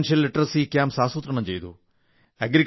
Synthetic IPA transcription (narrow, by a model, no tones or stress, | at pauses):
nʂjɐlːiʈrɐsikjaːmsaːsuːt̪ɾɐɳɐmt͡ɕe̞jt̪ṵ | eɡɾi